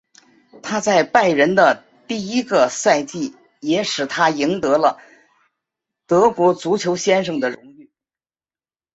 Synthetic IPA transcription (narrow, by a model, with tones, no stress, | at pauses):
t̪ʰa˥t͡sa˥˧ɪpa˥˩ɪɻə˧˥nd̪ə˧ | t̪i˥˩i˥ɡə˧sa˥˧ɪt͡ɕi˥˩ | jɛ˧˥ʂɻ̩˨˩t̪ʰa˥i˧˥ŋt̪ɤ˧˥lə˧ | t̪ɤ˧˥kwɔ˧˥t͡su˧˥t͡ɕʰjo˧˥ʊɕjɛ˥nʂɤ˥˧˩ŋd̪ə˩ɻʊ˧˥ŋy˥˩